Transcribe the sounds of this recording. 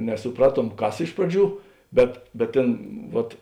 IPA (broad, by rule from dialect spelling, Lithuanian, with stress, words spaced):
nʲɛsʊˈprɑːˌtuɔm ˈkɐs ˈɪʃ prɐˌd͡ʒʲuː ˈbʲɛt bʲɛt ˈtʲeːn ˈʋɐt